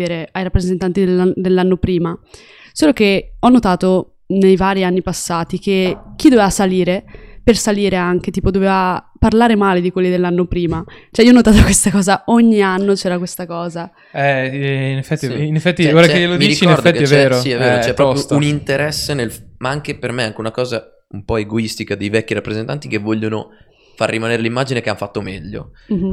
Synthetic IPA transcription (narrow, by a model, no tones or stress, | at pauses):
eɾeajɾapːɾezent̪ant̪id̪lad̪elːanːopɾiːma | soːlok̟eɔnːot̪aːt̪o | nejvaːɾianːipasːaːt̪ik̟ek̟ːid̪ovevasaliːɾepersaliːɾeaŋk̟et̪iːpod̪oveːvaparlaːɾemaːled̪ikwelːid̪elːanːopɾiːmat͡ʃoɛiːɔnːot̪aːt̪okwest̪akɔːzaoɲːianːot͡ʃɛːɾakwest̪akɔːza | ɛinefɛt̪ːiinefːɛt̪ːioɾakt͡ʃejelodmiɾit͡ʃkieɔɾdfɛtk̪ːiɛt͡ʃvɛːɾosiɛvːeːɾot͡ʃɛpːɾɔpjounint̪eɾɛsːenelmaaŋkepermeaŋk̟eunakɔːza | umpɔeɡoist̪ikad̪ejvɛkːiɾapːɾezent̪ant̪ikevːɔʎːono | fa̰rːimaneːɾelimːaːd͡ʒinekeanfat̪ːomɛʎːo̰m̩